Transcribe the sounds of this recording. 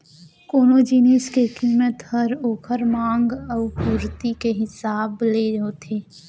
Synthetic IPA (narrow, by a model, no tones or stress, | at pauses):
koːnoːd͡ʒiːneːskekiːmət̪həɾoːkʰəɾmãːŋɡəʊpuːɾt̪ikeɦɪsaːbleːoːt̪ʰeː